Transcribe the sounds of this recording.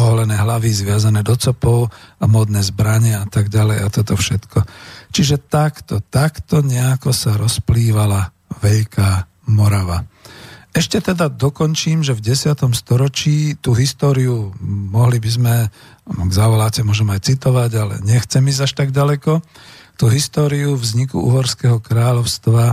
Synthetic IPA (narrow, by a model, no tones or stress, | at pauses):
ɔɦɔlɛnɛːɦlaʋizʋɪazanɛːd̪ɔt͡sɔpɔʊamɔːd̪nɛːzbɾaɲɛat̪aɡɟalɛjat̪ɔt̪ɔfʃɛt̪kɔt͡ʃiʒɛt̪akt̪ɔt̪akt̪ɔɲɛakɔsaɾɔspliːʋala | ʋɛʎkʰa | mɔɾaʋa | ɛʃcɛt̪ɛd̪ad̪ɔkɔnt͡ʃiːmʒɛvɟɛsɪat̪ɔmst̪ɔɾɔt͡ʃiːt̪uːɦist̪ɔːɾiumɔɦlibizmɛ | ɡzaʋɔlacɛmʊɔʒɛmajt͡sit̪ɔʋaɟalɛ̰ɲɛxt͡sɛmizaʃt̪aɡɟalɛkɔt̪uːɦist̪ɔːɾiuvzɲikṵʔṵːɦɔɾskɛɦɔkɾaːʎɔʊst̪ʋa